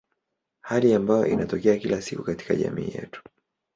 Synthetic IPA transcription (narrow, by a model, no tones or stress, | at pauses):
haliambajɔ̰ʔinʔatɔkɛakilasikukati̥kaʄa̰miːjɛ̰tu̥